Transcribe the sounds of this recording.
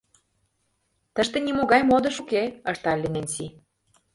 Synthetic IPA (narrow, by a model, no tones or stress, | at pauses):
t̪əʃt̪ĕnimoɣɑjmod̪ə̆ʃukeəʃt̪ɑlʲːenenʲsi